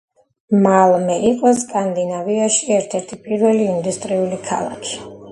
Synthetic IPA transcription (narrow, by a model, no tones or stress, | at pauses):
malˠmɛʔiqʼɔskʼand̪inaviaʃiɛɾt̪ʰɛɾt̪ʰipʼiɾvɛliːnd̪ust̪ʼɾiulikʰa̰lˠa̰kʰi̥